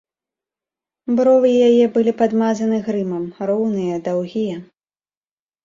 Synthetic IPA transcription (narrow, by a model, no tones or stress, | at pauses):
bɾɔvɨjajɛbɨlʲipad̪mazɐnɨɣɾɨmɐmɾɔwnɨjɐd̪awɣʲijɐ